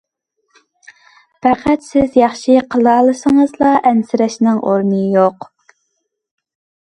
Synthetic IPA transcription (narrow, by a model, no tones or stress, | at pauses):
pæqʰæt̪sɪzjɑχʃiqʰəlˠɑːlˠɨsəŋəzlˠɑʔɛnsɪɾɛʃnɪŋʔoɾnɨjoq